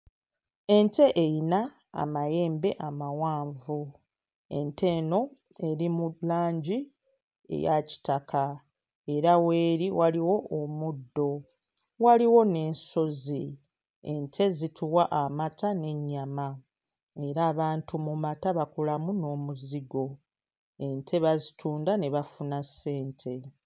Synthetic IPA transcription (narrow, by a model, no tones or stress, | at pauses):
e̞ɲte̞ʔejina̰ː | maje̞ːmbe̞ʔamawaːɱvu | e̞ntʰe̞ːno̞ | e̞ɾimulaːɲɟi | e̞̰jaci̥takʰa | e̞ɾawe̞ːɾiwaliwo̞omudːo̞ | waliwo̞ne̞ːnso̞zi | entʰe̞zitʰuwaʔamatane̞ɲːama | e̞ɾaːβaːntʰumumataβakulamuno̞ːmuziɡo̞ | e̞ntʰe̞βazitʰuːndane̞βafunase̞ːntʰe̞